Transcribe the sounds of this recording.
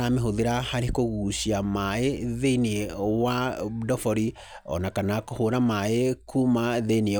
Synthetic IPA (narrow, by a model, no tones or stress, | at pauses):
ameɦoðeɾahaɾekoɣuːɕiamaeðeneewadɔfɔɾi | ɔ̰nakanakohoɾamaekʰumaðenee